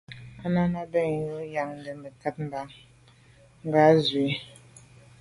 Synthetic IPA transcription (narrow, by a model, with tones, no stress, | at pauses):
a˦na˦na˦bɛ˦˨ŋ˨jo˦ja˨ŋn˨də˨mbə˨ta˦t̚m̩˦ba˨ŋ | ŋ̩˦ɡa˨˦zwi˨˦